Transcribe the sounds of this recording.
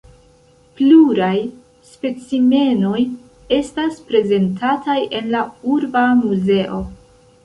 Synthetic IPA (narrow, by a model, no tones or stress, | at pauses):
pluɾaj | spe̞t͡sime̞no̞j | e̞staspɾe̞ze̞ntʰatajʔe̞nlauɾbamuze̞ʔo̞